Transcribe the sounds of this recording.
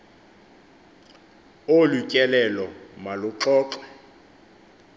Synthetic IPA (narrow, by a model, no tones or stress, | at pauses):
olucʼɛlɛlɔmalʊǁɔːǁwɛ